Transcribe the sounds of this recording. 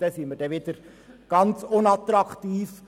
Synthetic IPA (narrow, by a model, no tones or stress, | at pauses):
d̥ɛsiməd̥ɛʋɪd̥̪əɾ | ɡ̥ɑnt͡sʊnɑt̪ɾɑkʰt̪iːf